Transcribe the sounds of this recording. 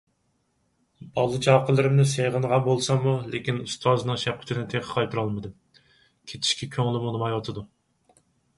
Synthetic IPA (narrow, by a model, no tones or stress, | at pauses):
bɑlˠːɨt͡ʃʰɑːqəlˠɨɾɪmnɨsejʁənʁɑbolˠsɑmulekʲinust̪ʰɑzɨnɨŋʃɛp̚qʲʰy̥t͡ʃ̪ʰd̪ɪnɪt̪ʰeqʰə̥qʰɑjt̪ʰuɾɑlˠmɨd̪ɨ | kʲʰet͡ʃ̪ʰi̥ʃkʲɛkʲʰøŋlɪmunɨmɑjwɑt̪ʰɨd̪u